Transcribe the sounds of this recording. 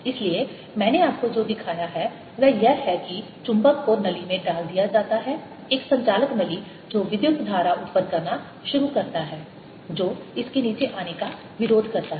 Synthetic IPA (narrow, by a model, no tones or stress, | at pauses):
ɪslie | mɛ̃ːneaːp̚kod͡ʒoːd̪ɪkʰaːjaɦɛ | ʋɛːjɛɦɦɛkit͡ʃʊ̃mbəkːonɐlimẽɖaːld̪ijad͡ʒaːt̪aɦɛː | eːksɐ̃ɲt͡ʃaːləkmɛli | d͡ʒoːʋɪd̪jʊk̚t̪d̪ʱaːɾaʔʊt̪pəɾkɐɾna | ʃʊɾukɐɾt̪aɦɛː | d͡ʒoːɪskeniːt͡ʃeʔaːneka | ʋɪɾoːd̪ʱkɐɾt̪aɦɛ